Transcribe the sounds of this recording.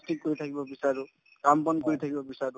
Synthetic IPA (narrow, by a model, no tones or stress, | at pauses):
stik̚kːoɹit̪ʰakibɔbisaɹu | kampɔnkoɹit̪ʰakibɔbisaɾu